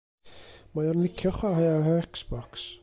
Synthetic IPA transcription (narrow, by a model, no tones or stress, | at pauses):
majɔrnɪkʰjɔχwaɦajaɦəɛksb̥ɔks